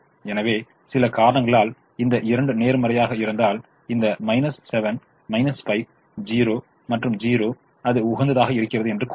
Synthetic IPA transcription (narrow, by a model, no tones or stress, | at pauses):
ɛnɐʋeː | sɪlɐkaːɾɐnɐŋɡɐɭaːl | ɪnd̪ɐʔɪɾɐɳɖɯneːɾmɐɾɐjaːɣɐɪɾɯnd̪aːl | ɪnd̪ɐmɐɪnɐsːɛʋɐn | mɐɪnɐspɐɪk̚ | d͡ʒiːɾoː | mɐʈrɯmd͡ʒiːɾoː | ɐðɯʊɣɐnd̪ɐðaːɣɐɪɾɯkːɪrɐðɯɛndrɯkː